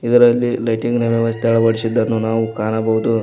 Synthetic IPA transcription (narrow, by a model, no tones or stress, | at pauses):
id̪ɐɾɐlːilɐjʈiŋɡnɛʋɐʋɐst̪ʰeɛɭɐbɐɽisid̪ːɐnːunaːʋukaːnɐbɐɦud̪u